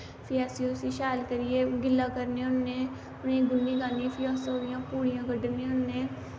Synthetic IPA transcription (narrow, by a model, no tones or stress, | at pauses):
pʰɪjaːsioːsiːʃaːlkəɾieːɡɪlːãːkəɾnẽʊnːeː | ʊnẽːɡʊnːiːɡaːnĩːpʰɪjaːsoːɾɪjãːpuːɽɪjãːɡəɖənẽʊnːeː